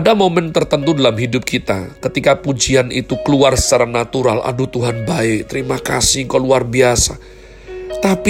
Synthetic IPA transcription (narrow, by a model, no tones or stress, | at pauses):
damomɛnt̪ərt̪ənt̪udalamɦidʊp̚kit̪a̰kət̪ikapud͡ʒianit̪ukəluarsaɾaŋnat̪uɾalʔa̰dut̪uɦanbaɪk̚t̪əɾimakasiŋkaluarbiasa | t̪ap